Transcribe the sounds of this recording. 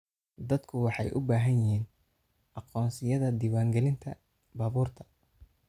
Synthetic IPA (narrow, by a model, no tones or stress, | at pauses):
d̪ɐd̪kʰʊwɑħɑ̰jʔʊbaːɦɐnjɪɦiːn | ʔɑqɔːnsɪjɐðɐd̪iːwaːŋɡɛlɪnt̪ʰɐ | bɐːβuːrt̪ʰɐ̥